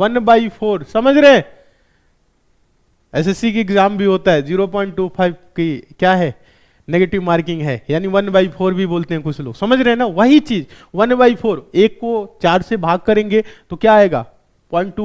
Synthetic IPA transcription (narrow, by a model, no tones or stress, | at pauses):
ʋɐnbaːipʰoːɾsɐməd͡ʒʱɾeɦɛ̃ | ɛs̬ɛsikiɪɡzaːmbʱiɦoːt̪aɦɛd͡ʒiːɾop̬ɔ̃ːɪ̃ɳʈ̚ʈupʰaːɪbkikjaːɦɛː | neɡeːʈɪʋmaːɾkɪ̃ŋɡɦɛːjaːniʋɐnbaːɪpʰoːɾbʱiboːlt̪eɦɛ̃kʊt͡ʃʰlo̰ːɡsɐməd͡ʒʱɾeɦɛ̃naʋɐɦit͡ʃiːzʋɐnbaːɪpʰoːɾeːkːot͡ʃaːɾsebʱaːɡ̚kɐɾẽːŋɡet̪okjaːeːɡa̰ː | pɔ̃ːɪ̃ɳʈ̚ʈu